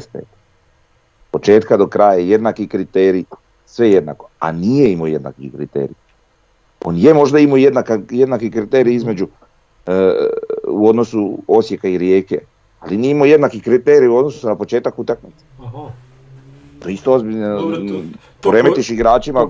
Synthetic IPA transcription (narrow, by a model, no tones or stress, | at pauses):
est̪ḛt̪ | po̞t͡ʃe̞ːt̪kad̪o̞kɾaːjajaeje̞d̪nakikɾit̪eːɾi | sʋeje̞d̪na̰ko̞a̰niːjeimoje̞d̪na̰kikɾḭt̪ḛːɾḭ | o̞̰njemo̞ʒd̪aimojed̪nakajed̪nakikɾit̪eːɾijizme̞d͡ʒu | uo̞d̪no̞suo̞sje̞kaiɾjeːkḛ | alinijeimoje̞d̪nakikɾit̪e̞ːɾijuo̞d̪nosu̥sunapo̞t͡ʃe̞ːt̪akut̪aknit̪se̥ | t̪oist̪oo̞zbiʎno | ɾe̞met̪iʃiɡɾaːt͡ʃima